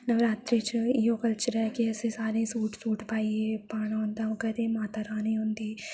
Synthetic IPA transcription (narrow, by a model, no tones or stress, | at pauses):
nɐʋɾaːt̪ɾit͡ʃijoːkɐlt͡ʃɐɾɐkeɐsisaːɾisuːʈsuːʈpaːjipaːnɐɐnd̪ɐmkɐt̪emaːt̪ɐɾaːniond̪i